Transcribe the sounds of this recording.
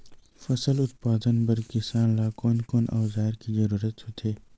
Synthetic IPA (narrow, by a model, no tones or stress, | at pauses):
fɐsəlʊt̪paːd̪ənbɐɾkɪsaːnlaːkoːnkoːnʔa̰ːwzaːɾkizɐɾuːɾət̪hʊt̪ʰeː